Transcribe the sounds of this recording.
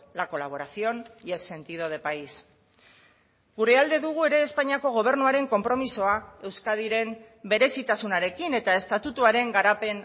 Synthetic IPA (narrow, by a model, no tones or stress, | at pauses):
lako̞laβ̞o̞ɾaθio̞nekse̞nt̪iðo̞ð̞e̞pajs | ɡureald̪e̞ðuɣ̞ue̞ɾe̞ːspaɲiako̞ɣ̞o̞β̞e̞ɾnuaɾe̞ŋko̞mpɾo̞miso̞ae̞wskað̞iɾe̞m | be̞ɾe̞sit̪asunaɾe̞kine̞t̪ae̞st̪at̪ut̪uaɾe̞ŋɡaɾape̞n